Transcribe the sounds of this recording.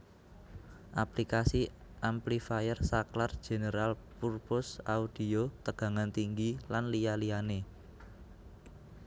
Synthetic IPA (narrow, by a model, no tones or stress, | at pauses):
ʔaplikasi | ʔamplifajərsaklard̥ʒ̥e̤nəɾalpurpʊsaud̥i̤ot̪əɡ̥ä̤ŋant̪iŋɡilanlijalijane